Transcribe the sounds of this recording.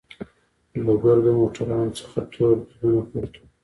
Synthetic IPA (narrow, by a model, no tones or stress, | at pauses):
loɡaɾd̪əmoʈʰaɾɑnot͡sə̥xat̪ʰoɾb̪dunapoɾt̪u̥